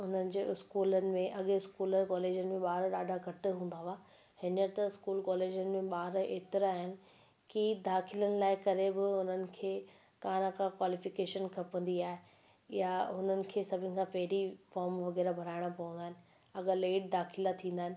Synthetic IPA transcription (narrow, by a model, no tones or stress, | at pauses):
ʊnənɪ̆d͡ʑeːɪskuːlənɪ̆mẽʔɐɠɪskuːləkɔːleːd͡ʑənɪ̆mẽɓaːɾɗaːɖʱaɡʱɐʈʊ̆ɦũːn̆d̪aɦaː | hɪnjəɾt̪ɐɪskuːlkɔːleːd͡ʑənɪ̆mẽɓaːɾeːt̪ɪɾaːɦɪnɪ̆ | kid̪aːxɪlənɪ̆laːɪkɐɾebɪʊn̤ənɪ̆kʰeː | kaːnakãkwaːlɪfɪkeːʃənkʰɐpə̃nd̪iaːɦe | jaʊnənɪ̆kʰeːsɐbʱɪnɪ̆kʰãːpɐɦɪɾifɔːɾmʋɐɣɛːɾabʱɐɾaːɪɽ̃apɐʋə̃nd̪aːɦɪnɪ̆ | ɐɠəleːʈ̚d̪aːxʰɪlat̪ʰĩːnd̪aːɪnɪ